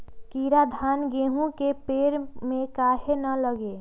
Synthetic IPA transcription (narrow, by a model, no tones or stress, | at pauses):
kiːɾad̪ʱaːnɡeːɦũkepeːɾmẽkaːɦenələɡe